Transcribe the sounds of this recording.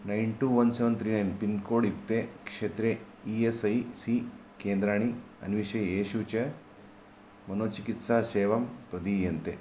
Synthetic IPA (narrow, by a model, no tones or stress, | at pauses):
nɐjɳʈuʋɐnseːʋɐnt̪ɾiːnɐjnpinkoːɽipt̪ekʂeːt̪ɾe | iːesɐjsiːkeːnd̪ɾaːɽ̃i | ɐ̰nʋiʃɐjjeːʃut͡ʃɐ | mɐnoːt͡ʃikit̪saseːʋɐmpɾɐd̪ijɐnt̪e